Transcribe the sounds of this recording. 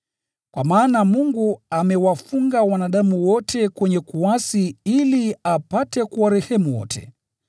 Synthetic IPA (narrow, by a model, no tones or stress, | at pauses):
kwamaːnamuŋɡuamɛwafuŋɡawanaɗamuwɔtʰɛkwɛɲɛkuasiiliapatɛkuwaɾɛhɛmuwɔ̰tʰɛ̰